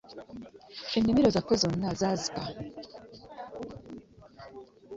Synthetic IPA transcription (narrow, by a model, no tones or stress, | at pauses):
inimiɾozakozonːazazika